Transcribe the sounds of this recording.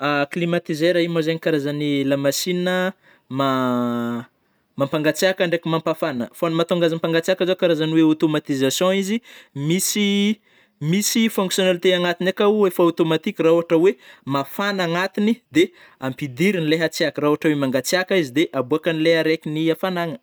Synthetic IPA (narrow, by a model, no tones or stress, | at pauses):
aklimat̪izeɾaimazaɲikaɾazanilamasinə | ma | mampaŋɡat͡siakaɳɖ͡ʐekimampafanəfonmat̪oŋɡazampaŋɡat͡siakazokaɾazaniweat̪omat̪izasjɔ̃izimisi | misifɔ̃ŋksjonalt̪eaŋat̪inakauefaat̪omat̪ikʲirauɦaʈ͡ʂəwemafanaŋat̪inid̪e | ampid̪iɾinileɦat͡siakəɾauɦaʈ͡ʂəwemaŋɡat͡siakaizid̪eʔabuakənileɦaɾekʲiniafanaŋə